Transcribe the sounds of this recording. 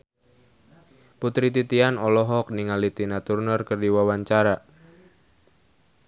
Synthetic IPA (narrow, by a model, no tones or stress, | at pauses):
put̪ɾit̪it̪ianɔlɔɦɔk̚niŋalit̪inat̪urnərkərdiwawaɲt͡ʃaɾa